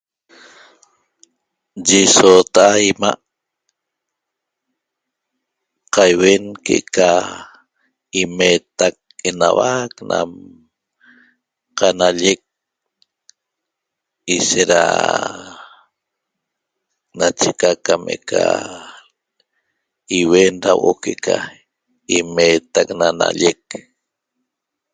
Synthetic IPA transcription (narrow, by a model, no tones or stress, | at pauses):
d͡ʒisot̪aʔaima̰ʔ | qajwenkḛʔka | imet̪ak̚enawakna̰m | qanaʎek̚ | iʃeɾa̰ | nat͡ʃekakamʔḛʔkʰa̰ | iwenɾawʔokeʔkʰa | imeːt̪aknana̰ʎek̚